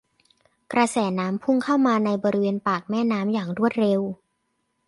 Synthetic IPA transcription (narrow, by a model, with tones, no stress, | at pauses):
kɾa˧sɛː˩˦naː˦˥mpʰu˥˩ŋkʰaː˥˩wmaː˧na˧jbɔː˧ɾi˦weː˧npaː˨˩k̚mɛː˥˩naː˦˥mjaː˨˩ŋɾu˥˩ət̪̚ɾe˧w